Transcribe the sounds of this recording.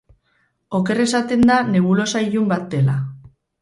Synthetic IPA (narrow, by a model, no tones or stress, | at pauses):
o̞ke̞re̞sat̪e̞nd̪ane̞βulo̞saiʎumbat̪̚d̪e̞la